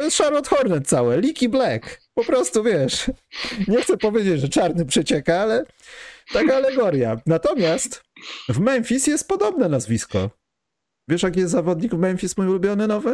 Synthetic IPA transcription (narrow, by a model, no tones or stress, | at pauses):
t̪ɔjɛsʂaɾlɔt̪xɔɾnɛsawɛlʲikʲiblɛkpɔpɾɔst̪uvʲjɛʂ | ɲɛxt̪sɛpɔvʲjed͡ʑed͡ʑʐɛt͡ʂaɾnɘpʂɛt͡ɕɛkaalɛ | t̪akaːlɛɡɔɾja̰nat̪ɔmʲjast̪vmɛnfʲisjɛst̪̚pɔd̪ɔbnɛnazvʲiskɔ̰ | vʲjɛʂjak̬ʲijɛst̪zavɔd̪ɲiɡvmɛnfʲismujulubʲjɔnɘnɔvɘ